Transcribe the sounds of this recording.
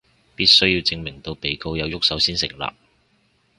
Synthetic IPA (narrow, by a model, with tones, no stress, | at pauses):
piː˥t̚sɵ˥ɥjiː˧wt͡sɪ˧ŋmɪ˨˩ŋt̪o˧wpe˨jko˧wjɐ˨˧wjʊ˥k̚sɐ˨˥wsiː˥nsɪ̰˨˩ŋla̰ː˨p̚